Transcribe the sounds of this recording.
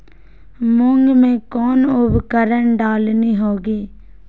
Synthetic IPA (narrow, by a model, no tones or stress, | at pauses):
mʊŋɡmẽːkɔːnʊbkəɾəɳɖaːlniːɦoːɡiː